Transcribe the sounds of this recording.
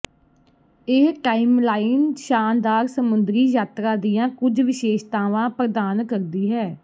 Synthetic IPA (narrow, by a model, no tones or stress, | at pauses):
eːʈaːɪmlaːɪnʃaːnd̪aːɾsəmʊnd̪ɾiːjaːt̪ɾãːd̪ijãːkʊd͡ʒʋɪʃeːʃt̪aːʋãːpɾəd̪aːnkəɾd̪iːɦɛː